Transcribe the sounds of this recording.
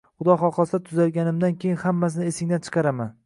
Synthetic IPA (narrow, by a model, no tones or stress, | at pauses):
χʊd̪ɒχɒqʰɒsat̪ʰʊzaɾɡʲanɪmd̪ankʲʰejɪnhamːas̬ɪnɪesɪŋd̪ant͡ʃʰɨ̥qʰɑɾama̰n